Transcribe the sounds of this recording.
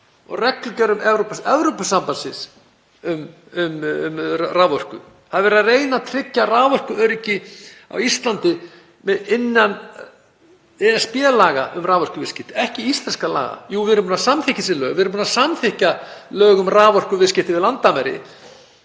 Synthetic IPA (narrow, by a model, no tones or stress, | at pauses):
ɔ̰ɣrɛklʏcœɾʏmɛvɾopasɛvɾopʏsampansɪs | ʏm | ʏmmraːvɔr̥kʏ | haðvɛɾðareːjnat̪ʰɾɪcːaraːvɔr̥kʏœɾɪcɪa̰wist̪lant̪ɪ | mɛɪnːan | ɛɛspjɛːlaːɣaʔʏmraːvɔr̥kʏvɪscɪht̪ɪ̥ɛhcɪist̪lɛnskala̰ːɣa̰juvɪɾʏmpunasamθɪhcɪsɪnlœːɣvɪɾmpunasamθɪhcalœːɣʏmraːvɔr̥kʏvɪscɪht̪ɪvɪðlant̪ːamɛɾɪ̰